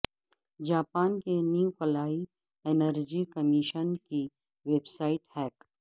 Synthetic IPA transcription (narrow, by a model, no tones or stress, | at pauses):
d͡ʒaːpaːnkeniukɐlaːi | enəɾd͡ʒikəmiʃənki | ʋeːbsaːɪʈhɛːk